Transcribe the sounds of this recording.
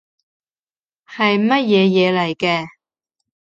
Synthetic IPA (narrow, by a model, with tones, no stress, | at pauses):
hɐ˨jmɐ˥t̚jɛː˨˧jɛː˨˧lɐ˨˩jkɛː˧